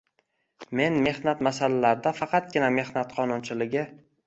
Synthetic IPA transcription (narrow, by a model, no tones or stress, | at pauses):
me̞nme̞hnat̪masalalaɾd̪afɑqɑt̪̚ɡʲɪname̞hnat̪qʰɒnʊnt͡ʃʰɪlɪɡʲɪ